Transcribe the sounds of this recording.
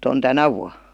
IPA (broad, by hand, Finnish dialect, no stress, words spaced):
on tænæ ʋuɑ